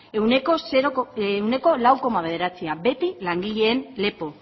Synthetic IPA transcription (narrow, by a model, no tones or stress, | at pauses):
ewnekoseɾowne̞ko̞lawko̞maβ̞e̞ð̞e̞ɾat͡siabe̞t̪ilaŋɡiʎe̞ːnle̞po̞